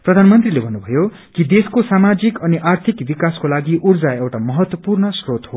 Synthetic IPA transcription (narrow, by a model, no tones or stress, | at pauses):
prʌd̪ʱanmʌnt̪rilebʱʌnːubʱʌjo | kid̪eskosamad͡zikʌniʔart̪ʰikbikaskolaɡiʔurd͡zaewʈamʌɦʌt̪wʌpurnʌsrot̪ɦo